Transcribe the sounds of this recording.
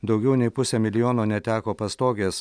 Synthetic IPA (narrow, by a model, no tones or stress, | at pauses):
d̪ɒʊɡʲɛʊnʲɛɪpʊsʲɛmʲɪlʲɪjoːnoːnʲɛt̪ʲæːkoːpɐst̪oːɡʲeːs